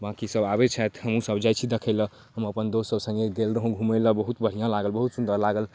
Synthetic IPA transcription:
bãkisəbabet͡ʃʰɛt̪ɦəmũsəbd͡ʒajt͡ʃʰid̪ekʰəɪlə | ɦəməpənd̪ossəbsə̃ŋɡeɡ̪elɾəɦũɡʱũməjləbəɦut̪bʱəɽ̤ijãlaɡəlbəɦut̪sund̪əɾlaɡəl

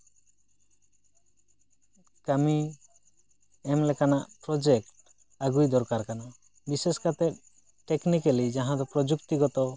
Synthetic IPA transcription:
kami | ɛmlɛkanaʔpɾɔd͡ʒek̚ʈ | aɡujd̪ɔɾkaɾkana | biseskat̪ɛp̚ | ʈeknikalid͡ʒaɦãd̪ɔpɾɔd͡ʒukt̪iɡɔt̪ɔ

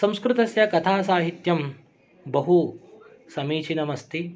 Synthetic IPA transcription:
sɐ̃mskɾɪt̪ɐsjɐkɐt̪ʰaːsaːɦit̪jɐm | bɐɦu | sɐmiːt͡ʃʰinɐmɐst̪ʰi

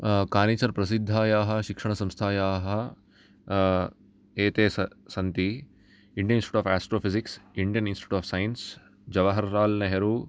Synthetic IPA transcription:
kaːniːt͡ʃɐɾpɾɐs̬id̪ʱːaːjaːɦɐ̆ʃikʂɐɳ̃ɐsɐ̃mst̪ʰaːjaːɦɐ | eːt̪eːs | sɐnt̪i | iɳɖijɐninsʈi̥ʈuaːfaːsʈɾoːfiziksiɳɖijɐninsʈi̥ʈuaːfsajɐns | d͡ʒɐʋɐɦɐɾːaːlnɐɦɐɾuː

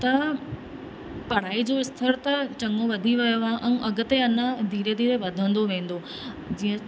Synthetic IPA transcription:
t̪ɐ | pɐɽ̤aːid͡ʑoɪst̪ʰəɾt̪ɐt͡ɕɐŋoʋɐd̪ʱiʋɐjoãʔɛ̃ːʔɐɡʊt̪eɐnə̃d̪ʱiːɾed̪ʱiːɾeʋɐd̪ʱə̃nd̪oʋẽːn̆d̪o | d͡ʑiːə̃

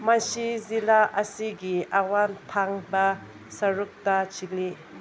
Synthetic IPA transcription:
mɐsizilaʔɐsiɡiʔawantʰaŋbɐ | sɐɾuk̚tɐt͡ʃik̚li

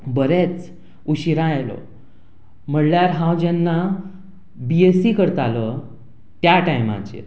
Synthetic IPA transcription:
bəɾet͡s | uɕiɾãelɔ̰ | m̤əɽljaɾɦãwd͡ʑɛnːa | biesikəɾt̪alə | t̪jaʈajmã̰t͡ɕḛ

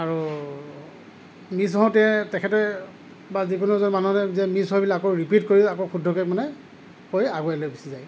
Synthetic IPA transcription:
aɹu | mis̬ɔɔ̃tɛtɛkʰɛtɛ | bazikunɔzɔnmanunɛzɛmisɦɔjbilaakoɹipitkoɹilakokʰudʱɔkɛkmanɛ | kojaɡɔjalojbisizaj

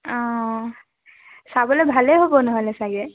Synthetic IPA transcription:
ɔ̃ | sabɔlebʱaleɦobɔnɔɦɔlɛsaɡɛ

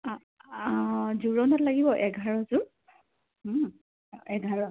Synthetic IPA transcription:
zuɹɔnɔtlaɡibɔʔɛɡʱaɹɔzʊ | ɛɡʱaɹɔ

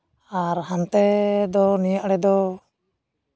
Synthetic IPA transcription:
aɾɦant̪ɛd̪ɔnijaʔɽɛd̪ɔ

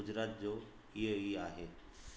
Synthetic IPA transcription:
ʊd͡ʑɾaːt̪̚d͡ʑoː | iɦəiaːɦeː

